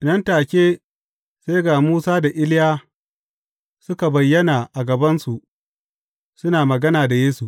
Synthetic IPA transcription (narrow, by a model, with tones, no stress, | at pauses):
nɐ˦ntaː˨kʲeː˦ | se˦jɡaː˨muː˦saː˦da˨ʔɪ˦lɪ˦jaː˦ | sʊ˦ka˨bɐ˨jːɐ˦naː˨ʔa˨ɡɐ˨bɐ˦nsu˨ʔ | sʊ˦naː˨mɐ˨ɡɐ˦naː˨da˨jeː˦su˨ʔ